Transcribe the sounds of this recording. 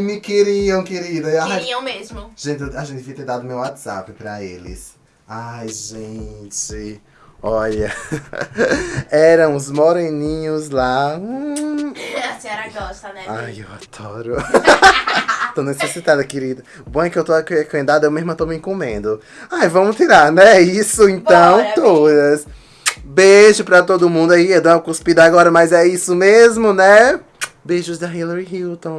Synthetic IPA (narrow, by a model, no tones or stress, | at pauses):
ɪmɪkeɾiɐ̃w̃keɾid̪ɐaiɐ̃w̃mezmʊʒ̥ẽt͡ʃɪaʒẽnt̪ɪviɐt̪eɾd̪ad̪ʊmewat̪z̥a̰pɪpɾɐelɪ̰s | ajʒẽt͡ʃɪ | ɔʎɐ | ɛɾɐ̃w̃ʊzmoɾẽnĩɲʊzlã | asɛɾɐɡɔʃt̪ɐnɛajewad̪ɔɾʊ | t̪õnesesit̪ad̪ɐkeɾid̪ʊ | bõkɪewt̪ohekomẽnd̪ad̪ʊewmezmʊɐt̪omɪẽkõmḛ̃nd̪ʊ | ajvɐ̃mʊt̪iɾaɾnɛisʊẽt̪ɐ̃w̃t̪od̪ɐs | beʒʊpɾɐt̪od̪ʊmũd̪aiewd̪õw̃ɐkuspid̪ɐaɡɔɾɐmɐzɛisʊmezmʊnɛ | beʒʊzd̪ɐɦiloɾiɦiwt̪õ